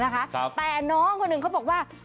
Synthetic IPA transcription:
na˦˥kʰa˦˥˦t̪ɛː˨˩nɔː˦˥ŋkʰo˧nːɯ˨˩ŋkʰa˦˥˩bɔː˨˩k̚waː˥˩

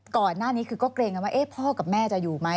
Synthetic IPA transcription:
kɔː˨˩nːaː˥˩niː˦˥kʰɯː˧kɔː˥˩kleː˧ŋka˧nwaː˥˩ʔe˦˥˩pʰɔː˥˩ka˨˩p̚mɛː˥˩t͡ɕa˨˩juː˨˩ma˦˥

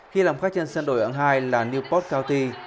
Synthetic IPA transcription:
xi˧laː˨˩mfaː˦˥k̚t͡ɕə˧nsə˧nɗo̰˧˩jʔə̰˧˩ŋɦaː˧jlaː˨˩ni˧wpɔ˦˥t̚kaː˧wt̪i˧

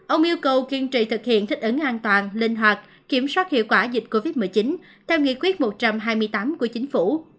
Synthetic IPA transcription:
ʔə˧wŋ͡mʔi˧əwkə˨˩wki˧ənt͡ɕḭ˧˨t̪ʰɨ˨˩k̚hḭ˧˨ənt̪ʰi˦˥k̟̚ʔə˨˦ŋʔaː˧nt̪waː˨˩nlï˧ŋ̟ɦwaː˨˩t̚ | ki˧˩əmswaː˦˥t̚hḭ˧˨əwkwaː˧˩zï˨˩t̟̚ko˧vi˦˥t̚mɨ˨˩jt͡ɕi˨˦n | t̪ʰɛ˧wŋḭ˧˨kwi˦˥ət̚mo˨˩t̚t͡ɕa˧mɦaː˧jmɨ˧jt̪aː˨˦mku˧˩ət͡ɕï˨˦ŋ̟fu˧˩

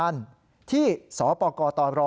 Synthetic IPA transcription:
a˧n | t̪ʰiː˥˩sɔː˩˦pɔː˧kɔː˧t̪ɔː˧˩nɾɔː˧

